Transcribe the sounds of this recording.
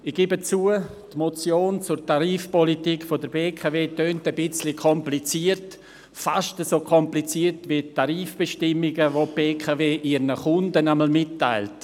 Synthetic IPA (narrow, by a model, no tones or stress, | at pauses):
ɪɡ̥ibət͡suːə | tmot͡sjoːnt͡sʊrtaɾiːfpɔlitiːkfodəɾbeːkʰaveːtøːntəbɪt͡slikʰɔmplit͡siːərt | faʃtəsoːkʰɔmplit͡siːərtvitaɾiːfb̥ɛʃtɪmːɪɡəvob̥eːkʰaveːʔiɾnəχʊndənɛməl̩mɪtːa̰ɪlt